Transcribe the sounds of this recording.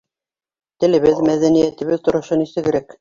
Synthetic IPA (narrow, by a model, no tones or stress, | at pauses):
t̪ɘ̆lɘ̆βɘðmæðænijæt̪ɘ̆βɘðt̪ŏɾŏʃonisɘ̆ɡɘ̆ɾæk